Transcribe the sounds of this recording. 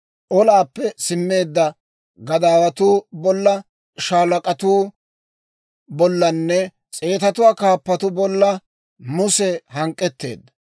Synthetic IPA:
ʔɔlaːpːɛsɪmːe̞ːd̪ːɐ | ɡɐd̪aːwɐt̪uːbɔlːɐ | ʃaːlɐkʼɐt̪uː | bɔlːɐnːɛ | t͡sʼe̞ːt̪ɐt̪ʊwaːkaːpːɐt̪ʊbɔlːɐ | mʊsɛɦɐŋkʼːɛt̪ːe̞̰ːd̪ːɐ

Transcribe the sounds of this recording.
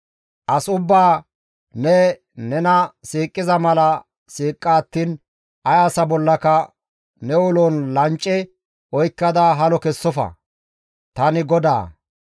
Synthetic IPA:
ʔɐsʊbːaː | nɛ | nɛnɐsiːkʼːɪzɐmɐlɐ | siːkʼːaːt̪ːiːn | ʔɐjaːsɐbɔlːɐkɐ | nɛwʊloːnlɐnt͡ʃʼːɛ | ɔjkːɐd̪ɐɦɐlɔkɛsːɔfɐ̰ | t̪ɐnɪɡɔd̪a̰ː

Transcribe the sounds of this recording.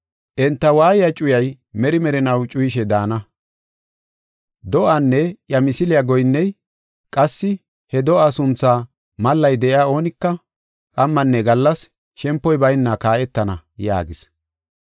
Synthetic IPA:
ʔɛnt̪ːɐwaːjɪjat͡ʃʼʊjɐj | mɛɾɪmɛɾɛnɐwt͡ʃʼʊjɪʃɛd̪aːnɐ | d̪ɔʔanːɛʔjɐmɪsɪlɪjaɡɔjnːɛj | kʼɐsːɪ | hɛd̪ɔʔasʊnt͡sːaː | mɐlːɐjd̪ɛʔɪaːo̞ːnɪkːɐ | kʼɐmːɐnːɛɡɐlːɐs | ʃɛmpːɔjbɐjnːakaːʔɛt̪ːɐnɐja̰ːɡɪs

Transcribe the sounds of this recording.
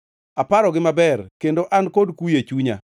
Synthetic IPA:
apaɾɔɡɪmabɛrkendoʔankodkujet͡ʃuɲa̰

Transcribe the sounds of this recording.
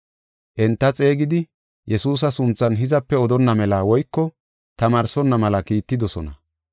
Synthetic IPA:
ʔɛnt̪ːɐt͡sʼe̞ːɡɪd̪ɪ | jɛsuːs̬ɐsʊnt͡sːɐnɦɪzɐpːɛɔd̪ɔnːɐmɛlaːwɔjkːɔ | t̪ɐmaːɾsɔnːɐmɐlɐkiːt̪ːɪd̪ɔsɔ̰nɐ

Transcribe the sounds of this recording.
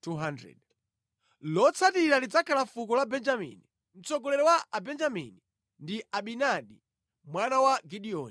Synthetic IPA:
tuɦandɾɛ̰d | lɔt͡sʰatiɾalid͡zakʰalafukɔlabɛnd͡ʒamḭni | m̩t͡sɔɡɔlɛɾɛwaʔabɛnd͡ʒamḭni | ndiʔaɓinaɗi | mwanawaɡiɗiɔn

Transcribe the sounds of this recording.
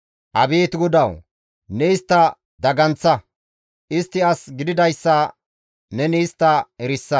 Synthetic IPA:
ʔɐbiːt̪ɡʊd̪ɐw | nɛɪst̪ːɐ | d̪ɐɡɐnt͡sːɐ | ʔɪst̪ːɪɐsɡɪd̪ɪd̪ɐjsːɐ | nɛniːst̪ːɐɛɾɪsːɐ

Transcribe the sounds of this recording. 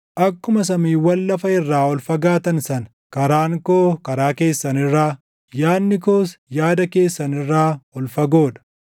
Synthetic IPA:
ʔɐkːʊmɐs̬ɐmiːwɐlːɐfɐɪrːaːɔlfɐɡaːt̪ɐnsɐn | kɐɾaːŋkoːkɐɾaːke̞ːsːɐnɪrːaː | jaːnːɪkoːsjaːd̪ɐke̞ːsːɐnɪrːaːɔlfɐɡo̞ːᶑɐ̥

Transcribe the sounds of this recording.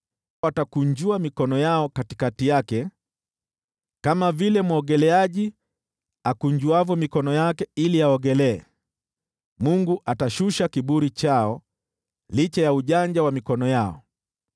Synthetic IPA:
atakuɲd͡ʒuamikɔnɔjaɔkati̥katijakɛ | kamavilɛmɔɠɛlɛaʄi | akuɲd͡ʒuavɔmikɔnɔjakɛiliaɔɠɛlɛɛ̰ | muŋɡuʔataʃuʃakiɓuɾit͡ʃaɔ | lit͡ʃajauʄaɲd͡ʒawamikɔnɔjaɔ̰

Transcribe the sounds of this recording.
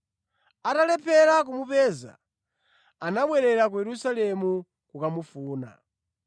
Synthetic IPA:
atalɛpʰɛɾak̬umupɛːza̰ | anaɓwɛɾɛɾakujɛɾusalɛmu | kukamufuːna̰

